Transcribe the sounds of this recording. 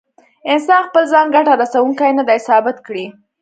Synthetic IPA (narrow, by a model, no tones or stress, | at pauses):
ɪnsɑnxpəlzɑnɡaʈaɾasawuŋkajnad̪ajsɑbɪt̪kɽi